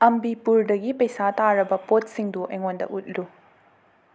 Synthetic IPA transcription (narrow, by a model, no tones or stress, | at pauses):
ɐmbipuɾdɐɡipɐjsataɾɐbɐpot̚siŋduʔɐ̰jŋondɐ̰ʔut̚lu